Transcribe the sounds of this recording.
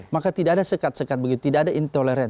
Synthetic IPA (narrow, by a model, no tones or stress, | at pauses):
makat̪idaʔadasəkat̪̚səkat̪̚bəɡit̪u̥t̪idaadaint̪oleɾɛn